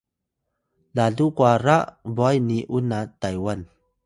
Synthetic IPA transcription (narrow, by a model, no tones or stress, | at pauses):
laɮukwaɾaʔbɔjniʔunat̪ajwan